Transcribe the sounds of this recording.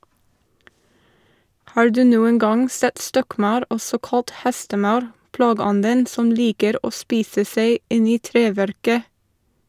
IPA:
ˈhɑːɹ ˈdʉː ˈnuːəŋ ˈɡɑŋ ˈsɛt ˈstɔkˌmɑʉɾ ˈɔsɔ ˈkɑlt ˈhɛstəˌmɑʉɾ ˈplɑːɡəˌɔndən ˈsɔm ˈliːkəɾ ˈoː ˈspiːsə ˈseɪ ˈɪn ˈiː ˈtɾeːˌʋæɾkə

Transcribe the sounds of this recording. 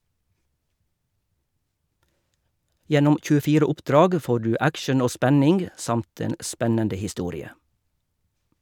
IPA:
ˈjɛnʊm c͡çʉːəˈfiːɾə ˈʊpˌdɾɑːɡ ˈfoː ˈɖʉː ˈækʃəɳ̩ ˈoː ˈspænɪŋɡ ˈsɑmt ˈeːn ˈspɛnəndə hɪˈstuːɾɪə

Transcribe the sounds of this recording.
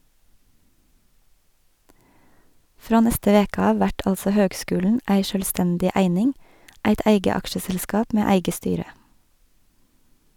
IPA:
ˈfɾoː ˈnɛstə ˈʋeːkɑ ˈɑː ˈʋæʈ ˈɑlsɔ ˈhøːɡˌskʉːlɳ̩ ˈæɪ ʃœlˈstɛndɪ ˈæɪnɪŋ ˈæɪt ˈæɪɡə ˈɑkʃəsɛlˌskɑːp ˈmeː ˈæɪɡə ˈstyːɾə

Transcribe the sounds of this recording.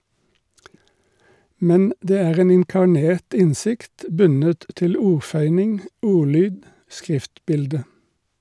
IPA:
ˈmɛn ˈdeː ˈæːʁ ˈeːn ɪŋkɑˈɳeːt ˈɪnˌsɪkt ˈbʉnət ˈtɪl ˈuːʁˌfœʏnɪŋ ˈuːˌlyːd ˈskʁɪftˌbɪldə

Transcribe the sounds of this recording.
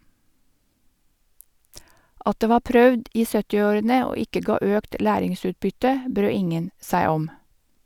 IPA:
ˈɑt ˈdeː ˈʋɑː ˈpɾœʋd ˈiː ˈsœtɪ ˈoːɾənə ˈoː ˈɪkə ˈɡɑː ˈøːkt ˈlæːɾɪŋˌsʉːtbʏtə ˈbɾøː ˈɪŋən ˈsæɪ ˈɔm

